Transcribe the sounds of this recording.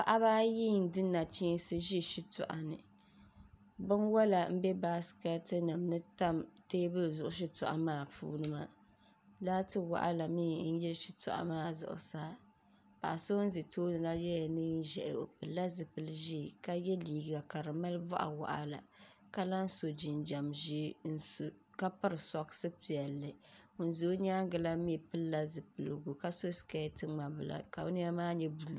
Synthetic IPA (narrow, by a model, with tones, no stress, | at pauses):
pa˨ʔa˦βaː˦ji˦˨n̩˨dɨ˦nːa˨t͡ʃiː˦n˦sɨ˦ʒi˦ʃi˦tʊ̰˨ʔa̰˨nɨ̰˨ | bɨ˦nwa˦la˨m̩˦bɛ˦baː˦ska˦tɨ˦nɨ˨mnɨ˦ta˦mteː˦bɨ˦lzʊ˨ʔʊ˦ʃ̬i˦tʊ˨ʔa̰˨maː˦˨pṵː˦nɨ˦ma̰˨ | laː˦tɨ˦wa̰˨ʔa̰˦la˨miː˦˨n̩˦jɛ˦lʃi˨tʊ̰˨ʔa̰˨maː˦˨zʊ̰˨ʔʊ̰˨saː˦ | pa̰˨ʔa˨so˦n̩˦zɨ˨toː˦nɨ˨la˦jɛ˦ja˨nɨ˦n˦ʒɛ˨ʔo̰˨pɨ˨lːa˦zɨ˨pɨ˨lɨ˦ʒi˦˨ka˦jɛ˦liː˨ɡa˨ka˨ɾɨ˨ma˦lvɔ̰˦ʔa̰˨wa̰˨ʔa̰˦la̰˨ka˦la˦n˦so˨d͡ʒi˨nd͡ʒa˨mʒi˦n˦˨ | ka˦pɨ˦ɾɨ˨sɔ˨ksɨ˦pi˨ɛ˨lːɨ˨o˨n˨zo˦ɲaː˦ŋ˦ɡɨ˨la˦mi˦˨pɨ˦lːa˦zɨ˨pɨ˨lɨ˨ɡu˨ka˦so˦ska˦tɨ˦ŋ͡ma˨bɨ˦˨la̰˨ka˨u˦ni˦a˦maː˦ɲɛ˦bu˨l